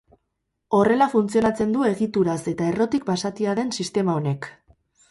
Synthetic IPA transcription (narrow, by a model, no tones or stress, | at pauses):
o̞re̞lafunt͡sio̞nat͡se̞nd̪ue̞ɣit̪uɾase̞t̪ae̞ro̞t̪ik̚basat̪iaðe̞nsist̪e̞mao̞ne̞k